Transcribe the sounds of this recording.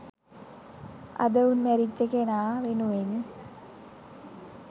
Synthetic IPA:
ɐ̰d̪ɐunmæɾit͡ɕːəkenaːʋenuʋeɲ

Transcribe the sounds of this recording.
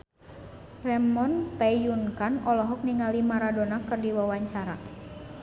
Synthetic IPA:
rɛmɔnt̪ajunkanɔlɔɦɔk̚niŋalimaɾadonakɨrdiwawaɲt͡ʃaɾa

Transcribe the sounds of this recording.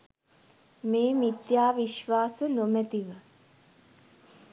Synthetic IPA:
meːmit̪jaːʋiʃʋaːsənomæt̪iʋə

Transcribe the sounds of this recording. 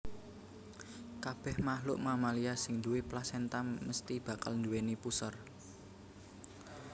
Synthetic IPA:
kab̥ɛ̤hmaɦlʊ̰ʔmamaliasɪŋd̪uwɪplasɛnt̪amməst̪ib̥ä̤ka̰lnd̪uwenipusər

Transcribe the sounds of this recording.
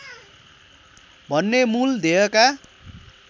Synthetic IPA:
bʱʌnːemuld̪ʱeʌka

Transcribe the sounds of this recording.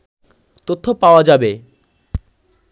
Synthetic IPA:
t̪ot̪ʰːopaoad͡ʑabe

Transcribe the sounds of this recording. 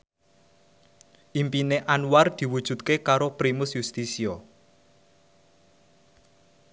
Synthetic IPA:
ʔimpineʔanward̪̥i̤wud̥ʒ̥ṳt̪̚kekaɾopɾimʊsjust̪isiɔ

